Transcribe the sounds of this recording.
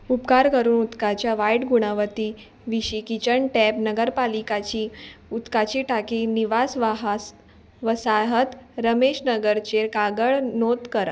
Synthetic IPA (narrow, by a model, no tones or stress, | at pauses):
upkaɾkəɾuːnut̪kat͡ɕjaʋajʈɡuɽ̃aʋət̪iː | ʋiɕiːkit͡ɕəɳʈɛpnəɡəɾpalikat͡ɕiːut̪kat͡ɕiːʈakiːniʋasʋaɦa | ʋəsaɦət̪ɾəmeɕnəɡəɾt͡ɕeɾkaɡəɭnot̪kəɾə